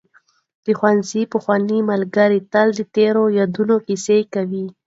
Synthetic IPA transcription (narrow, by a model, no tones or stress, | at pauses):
d̪̥əxwanzipəxwɑnimalɡaɾit̪ald̪ət̪eɾojad̪unokisekawi